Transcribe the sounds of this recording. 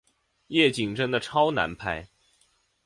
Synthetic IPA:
jɛ˥˩t͡ɕi˨˩ŋʈ͡ʂə˥ŋd̪ə˨ʈ͡ʂʰɑ˥ʊna̰˧˥npʰa˥˩ɪ

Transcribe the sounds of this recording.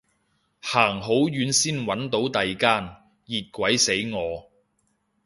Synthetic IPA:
haː˨˩ŋɦo˨˥wjyː˨˥nsiː˥nwɐ˨˥nt̪o˨˥wt̪ɐ˨jkaː˥n | jiː˨t̚kʷɐ˨˥jse˨˥jŋɔː˨˧

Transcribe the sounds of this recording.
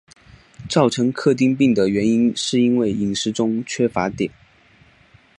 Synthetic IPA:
t͡sɑ˥˩ʊʈ͡ʂʰɤ˧˥ŋkʰɤ˥˧t̪̬i˥˧ŋpi˥˩ŋd̪ə˩ɥɛ˧˥ni˥nʂɻ̩˥˩i˥nwe˥˩ɪi˨˩ŋʂɻ̩˧˥ʈ͡ʂʊ˥ŋt͡ɕʰɥɛ˥fa˧˥t̪jɛ˨˩˦n

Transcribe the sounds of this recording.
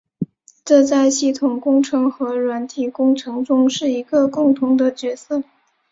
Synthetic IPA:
ʈ͡ʂɤ˥˧t͡sa˥˧ɪɕi˥˩t̪ʰʊ˨˩ŋkʊ˥ŋʈ͡ʂʰɤ˧˥ŋxɤ˧˥ɻwa˧˥nt̪ʰi˨˩kʊ˥ŋʈ͡ʂʰɤ˧˥ŋʈ͡ʂʊ˥ŋʂɻ̩˥˩i˧˥ɡə˧kʊ˥˩ŋt̪ʰʊ˧˥ŋd̪ə˧t͡ɕɥɛ˧˥sɤ˥˩

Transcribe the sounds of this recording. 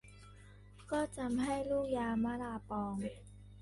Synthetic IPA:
kɔː˥˩t͡sa˧mɦa˥˩jluː˥˩k̚jaː˧maː˨˧˥laː˧˩pɔː˧ŋ

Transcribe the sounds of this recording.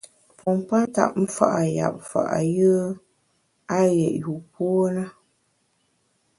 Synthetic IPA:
pɔ˨mpa˦ta̰˦˨ʔ̚m̩˦fa̰˦ʔa˨ja̰˨p̚fa̰˨ʔa̰˨jə˦ | a˦jɛ˨ʔju˨pɔ˦o˦nə˦

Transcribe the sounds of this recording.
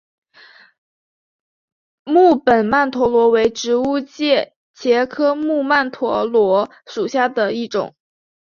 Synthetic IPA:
mu˥˩pə˨˩nma˥˩nt̪ʰwɔ˧˥lwɔ˧˥we˧˥ɪʈ͡ʂɻ̩˧˥u˥t͡ɕjɛ˥˩ | t͡ɕʰjɛ˧˥kʰɤ˥mu˥˧ma˥˩nt̪ʰwɔ˧˥lwɔ˧˥ | ʂu˨˩ɕja˥˩d̪ə˩i˥˩ʈ͡ʂʊ̰˨˩˦ŋ

